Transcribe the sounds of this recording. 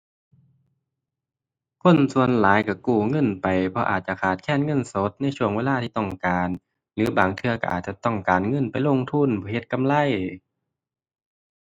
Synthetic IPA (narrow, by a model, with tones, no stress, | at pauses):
kʰo˧˥˨nsu˧˨ənlaː˨˦jka˧˩kuː˧˩ŋɤ˧˥˨npa˨jpʰɔ˧ʔa̰ː˨˩t̪̚t͡ɕa˧˨kʰaː˨˩t̪̚kʰɛː˧˥˨nŋɤ˧˥˨nso˧˦t̪̚na˧˥˩t͡ɕʰu˧˩əŋweː˧˨laː˧t̪ʰiː˧˩t̪ɔ˧˩ŋkaː˨n | lɯː˨˦baː˨˩ŋt̪ʰɯ˧ɐka̰˧˩ʔa̰ː˨˩t̪̚t͡ɕa˧t̪ɔ˧˩ŋkaː˨˩nŋɤ˧˥˨npa˨˩jlo˧˨ŋt̪ʰu˧˥˨nbʰɔː˧˩he˧˦t̪̚ka˧˨mla˧˥˨j